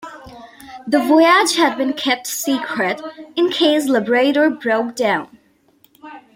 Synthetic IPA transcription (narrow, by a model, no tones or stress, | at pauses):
ðəvɔɪəd͡ʒhæd̚bɨ̃nkʰɛp̚tsikʰɹɨtɨ̃nkʰeɪs̬lɪbəɹeɪɾəɹbɹoʊk̚d̥ãʊ̃n